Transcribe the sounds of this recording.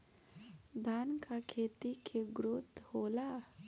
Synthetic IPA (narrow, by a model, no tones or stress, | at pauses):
d̪ʱaːnkakʰeːt̪ikʰeɡɾut̪hoːla